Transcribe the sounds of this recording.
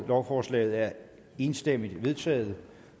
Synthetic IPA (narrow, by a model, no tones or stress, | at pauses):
lɒʊfɒːslɛ̰ːɪð̞̩ˠæɐ | e̝ːnsd̥em̰id̥ʋe̝ð̞ˠt͡sʰɛ̰ːð̩ˠ